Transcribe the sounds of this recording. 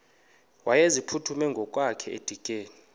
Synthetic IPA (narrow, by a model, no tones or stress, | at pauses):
wʔajezipʰutʰumɛŋɡʱɔkʼwakʰɛḛd̥ʱikʼeːni